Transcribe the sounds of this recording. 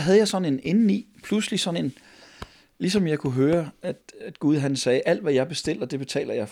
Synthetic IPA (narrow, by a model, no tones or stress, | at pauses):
ɦæð̞ˠjɑɪsɒ̽ne̝nenn̩ipʰluslisɒ̽ne̝n | lisɒ̽mjɑ̈ɪkʰuɦøːɐæd̥æd̥ɡ̥uð̞ˠɦænsɛːʔæl̰d̥ʋæjɑ̈ɪb̥e̝sd̥e̝l̰d̥ɐd̥e̝b̥e̝t͡sʰɛ̰ːlɐjɑ̈ɪf